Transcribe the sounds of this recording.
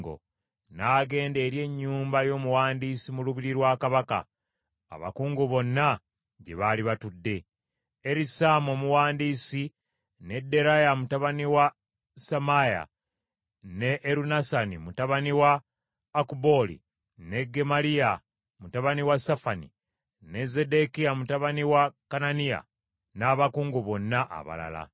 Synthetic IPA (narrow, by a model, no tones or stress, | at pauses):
ɡo̰ | naːɡe̞ːnde̞ːɾje̞ɲːuːmbajo̞ːmuwaːndiːsimuluβiɾiɾwaːkaβaka̰ː | βa̰kuːŋɡuβo̞nːa | ɟe̞̰βaːliβatudːe̞ | eɾisamo̞ːmuwaːndiːsi | ne̞dːe̞ɾajamutaβaniwa | samaja̰ | ne̞ʔːɾunasanimutaβaniwaː | kubo̞lḭ | ne̞ɡe̞malija | mutaβaniwasafanḭ | ne̞ze̞de̞kijamutaβaniwakananija̰ | naːβakuːŋɡuβo̞nːaʔa̰βa̰la̰la̰